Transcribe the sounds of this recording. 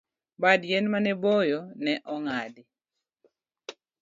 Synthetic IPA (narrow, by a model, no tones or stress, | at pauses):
badjɛnmanɛbojɔnɛʔɔŋadɪ